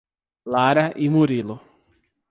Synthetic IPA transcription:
laɾɐʔimuɾilʊ

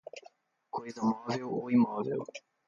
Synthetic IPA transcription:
kojzɐmɔvɛwo̰imɔvɛ̰w

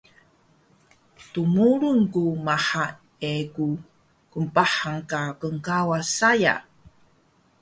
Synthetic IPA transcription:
tumuɾunkumaħa | eku | kəmpaħaŋkakəŋkawasaja̰

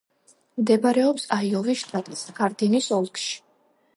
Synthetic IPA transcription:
md̪ɛbɾɛɔpsaiɔviʃt̪ʼat̪ʼisɡaɾd̪inisɔlˠkʼʃi̥

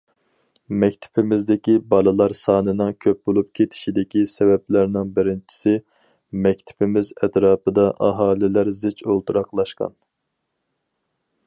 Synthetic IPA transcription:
mɛkʲt̪ʰɪ̥pʰɪmɪzd̪ɪkʲibɑlˠɨlˠɑɾsɑːnɨnɨŋkʲʰøp̚bolˠup̚kʲʰet̪ʰɪ̥ʃid̪ɪkʲisɛvɛp̚læɾnɪŋbɪɾɪnt͡ʃʰi̥sɪ | mɛk̚ʲt̪ʰɪ̥pʰɪmɪzɛt̪ɾɑːpɨd̪ɑʔɑɦɑːlˠɪlæɾzɪt͡ʃolˠt̪ʰuɾɑqlˠɑʃqɑ̰n

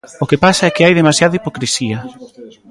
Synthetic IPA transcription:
okepasɐɛkɪajðemasjaðɐipokɾesiɐ

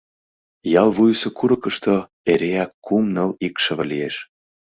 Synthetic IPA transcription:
jɑlˠβujsokuɾɤ̆kəʃt̪o | eɾeækːumnəlikʃə̆βə̆lieʃ

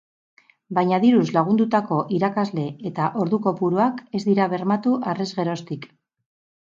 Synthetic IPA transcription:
bajɲaðiɾuslaɣ̞und̪ut̪ako̞ʔiɾakazle̞et̪aʔo̞ɾðuko̞puɾuake̞zd̪iɾaβ̞e̞ɾmat̪uʔare̞zɣe̞ɾo̞st̪ik

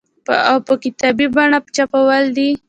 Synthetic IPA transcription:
pəawpəkɪt̪abibaɳapt͡ʃapawəld̪i

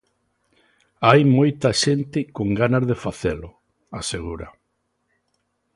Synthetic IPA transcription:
ajmojt̪aʃent̪ɪkoŋɡanazðefaθelʊ | aseɣuɾa

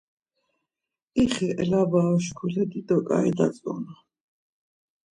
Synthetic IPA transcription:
iχiʔɛlabaɔʃkʰulɛd̪id̪ɔkʼa̰ɛd̪a̰sʼɔ̰na

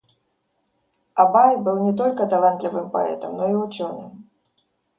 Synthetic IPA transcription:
abajbɨlˠnʲɛt̪ɔlʲkɐt̪alˠant̪lʲivɨmpa̰ɛ̰t̪ɐmnɔiʊt͡ʃɔnɨm

